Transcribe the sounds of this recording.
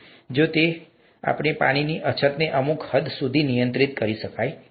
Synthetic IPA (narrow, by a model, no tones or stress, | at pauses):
d͡ʒot̪e | a̰pɳepaɽ̃iniʔət͡ʃʰət̪neʔəmukhəd̪ʱsud̪ʱinijə̃nt̪ɾit̪kəɾiʃəkaj